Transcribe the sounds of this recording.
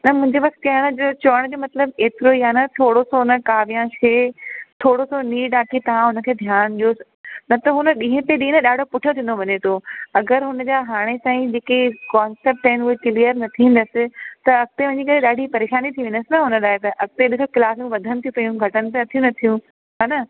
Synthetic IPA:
nɐmʊ̃ɦɪ̃ɲd͡ʑeʋɐkt̪kɐɽ̃d͡ʑoːt͡ɕɐəɽ̃d͡ʑoːmɐt̪ləbeːt̪ɪɾoiaːnɐt̪ʰoːɽosonəkaːʋijãʃeːt̪ʰoːɽosoniːɖaːkʰit̪ɐʋ̤ãɦʊnə̆kʰeːd̪ʱjaːnɗioːs | nɐt̪ɐɦʊnəɗĩːɦẽpeɗĩːnəɗaːɖʱopʊʈʰijõt̪ʰĩːnd̪oʋɐɲet̪ʰoɐɡəɾɦʊnəd͡ʑaːɦaːɽ̃esãːĩd͡ʑeːkekaːnseːp̚ʈaːɪnʊɦekɪlijəɾnɐt̪ʰĩːn̆d̪əsɪ̆t̪ɐɐk̚t̪eʋɐ̃ɲd͡ʑikɐɾeɗaːɖʱipɐɾeːʃaːnit̪ʰiʋɪ̃n̆d̪əsɪnɐɦʊnəɗaːet̪ɐʔɐk̚t̪eɗɪkʰəkɪlaːsjũʋɐd̪ʱənɪ̆t̪ʰijũpɐjũɡʱɐʈənɪ̆t̪eɐt̪ʰijũnɐt̪ʰijũ | ɦaːnɐ

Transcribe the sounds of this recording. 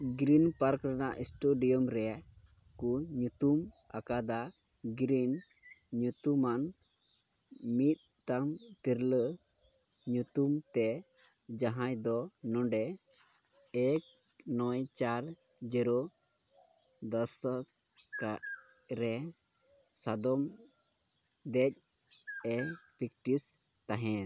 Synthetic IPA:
ɡɾinpaɾkɾanaʔisʈuɖijɔmɾɛjaʔ | kuɲut̪um | a̰kad̪a | ɡɾin | ɲut̪uman | mit̪̚ˀ | ʈaŋt̪iɾlə | ɲut̪umt̪ɛ | d͡ʒaɦãjd̪ɔnɔ̃ɖɛ | ɛk̚ | nɔjt͡ʃaɾ | d͡ʒɛɾɔ | d̪ɔst̪a | kaʔ | ɾɛ | sad̪ɔm | d̪ɛc̚ | ɛpikʈis | t̪aɦɛ̃

